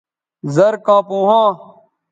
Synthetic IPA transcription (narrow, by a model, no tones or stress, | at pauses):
zəɾkãːpũːɦãː